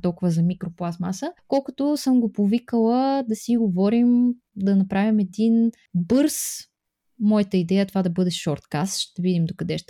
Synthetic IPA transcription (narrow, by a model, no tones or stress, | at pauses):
t̪ɔlˠkʊvɐzɐmikɾoplˠasmasəkɔlˠkʊt̪osɤmɡopovikəlˠəd̪ɐsiɡovɔɾim | d̪ɐnɐpɾavimɛd̪in | bɤɾs | mɔjət̪əid̪ɛjət̪ovad̪ɐbɤd̪ɛʃɔɾt̪kast̪ʃt̪ɐvid̪imd̪okɐd̪ɛʃt̪